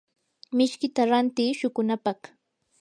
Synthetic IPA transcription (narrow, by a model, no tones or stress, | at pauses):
mɪʃkɪt̪aɾant̪iːʃʊkʊnapɑχ